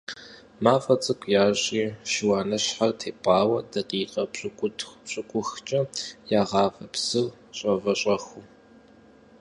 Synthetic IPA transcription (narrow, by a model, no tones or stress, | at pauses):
maːfɐt͡sʼɨkʷʰʼjaːɕʼiːʃɪwaːnɐɕħartʰeːpʼɑːwɐdɐqʼiːqʼɐɕʼkʷʊɕʼɪkʷʼʊxt͡ʃʼɐjaːʁɑːvɐpsɨ | ɕʼɐvɐɕʼɐxu